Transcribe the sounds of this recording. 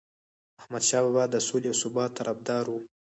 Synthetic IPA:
ahmad̪ʃɑbabɑd̪əsoleawsʊbɑt̪ːaɾabd̪ɑɾwu

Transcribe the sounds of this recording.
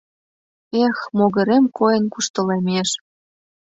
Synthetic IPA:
exmoɣə̆ɾemkʰojənkuʃt̪ə̆lemeʃ

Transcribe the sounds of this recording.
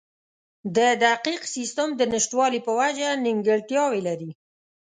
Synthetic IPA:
d̪əd̪aqiqsist̪əmd̪ənɪʃʈwɑlipəwad͡ʒanɪŋɡəɽt̪jɑwelaɾi

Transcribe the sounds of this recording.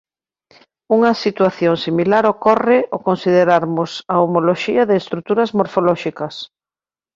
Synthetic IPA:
uŋɐsit̪waθjoŋsimilaɾokɔrɪʔokonsið̞eɾaɾmʊsɐomoloʃiɐðɪːst̪ɾut̪uɾɐzmoɾfolɔʃikɐs

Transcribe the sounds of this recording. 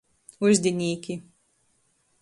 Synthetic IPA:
uzʲd̪ʲinʲiːkʲi

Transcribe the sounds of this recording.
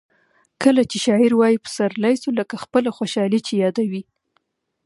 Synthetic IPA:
kəlat͡ʃeʃɑɪɾwɑjipə̥saɾlɑjsuləkaxpəlaxoʃɑlit͡ʃejɑd̪awi

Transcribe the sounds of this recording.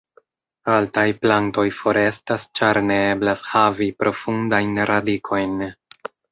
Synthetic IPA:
altajplanto̞jfo̞ɾe̞stast͡ʃaɾne̞e̞blashavipɾo̞fundajnɾadikʰo̞jn

